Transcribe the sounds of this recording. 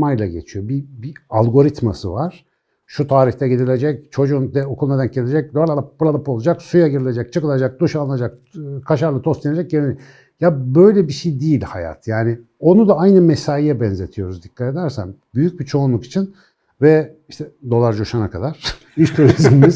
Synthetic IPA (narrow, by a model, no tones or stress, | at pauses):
majlˠaɟet͡ʃʰijo̞bibialˠɡo̞ɾit̪ma̰sɯ̰vaɾ̥ | ʃut̪ʰaːɾiçt̪ʰɛɟid̪ilʲed͡ʒɛc̚t͡ʃʰo̞d͡ʒund̪ɛokʰulˠned̪ænɟelʲed͡ʒɛc̚d̪oaɾlˠalapuɾad̪ˠapo̞lˠad͡ʒaksujaɟiɾilʲe̞d͡ʒɛk̚t͡ʃʰɯkɯlˠad͡ʒak̚d̪uʃalnad͡ʒak | kʰaʃaɾlˠɯt̪ʰost̪ʰʲiened͡ʒɛc̚ɟeɾini | jabø̞jlʲɛbiʃejd̪ijilʲhaja̰t̪ʰjaːnɪ | o̞nud̪aajnɯmesaːjijɛbɛnze̞t̪ʰijo̞ɾuzd̪ikʰːat̪e̞d̪æɾsæ̰nbyjyc̚bit͡ʃʰo̞unˠuki̥t͡ʃʰin | vɛ | iʃt̪ʰɛd̪o̞lˠaɾd͡ʒoʃanakʰad̪aɾ̥ | iʃt̪ʰuɾizmmiz